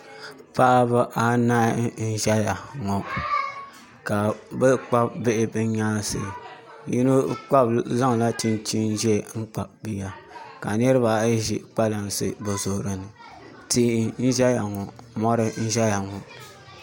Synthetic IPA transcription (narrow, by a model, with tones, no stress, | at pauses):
pa˦ʔa˦ba˦ʔa˨naː˦n̩˦ʒɛ˦ja˨ŋɔ˨ | ka˨bɛ˦k͡pa˦bbɪ˦ʔɪ˦bɨ˦ɲaː˦sɨ̰˨ | ji˦nu˦k͡pa˦bza˦ŋ˨la˦t͡ʃi˦nt͡ʃi˦n˦ʒɛ˦˨ŋ̩˦k͡pa˨bi˦ja˨ka˨nɛ˦ɾɨ˦βa˨˦ʒi˨k͡pa˦la˨n˨sɨ̰˨bɛ˨zo˨hɾɨ˨nɨ˨ | ti˦n̩˦ʒɛ˦ja˨ŋɔ˨mɔ˦ɾɨ˦n̩˦ʒɛ˦ja˨ŋɔ˨